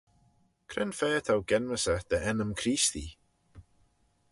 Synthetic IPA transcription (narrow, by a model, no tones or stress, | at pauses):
kʰɾɪnfɛːt̪ʰawɡɛnməsəd̪̥əʔɛnəmkʰɾiːst̪i